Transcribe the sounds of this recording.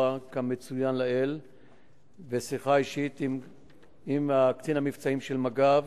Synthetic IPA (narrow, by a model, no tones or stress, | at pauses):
akamet͡sujanlael | vesiχaiʃit̪i | imakt͡sinamift͡saimʃelmaɡav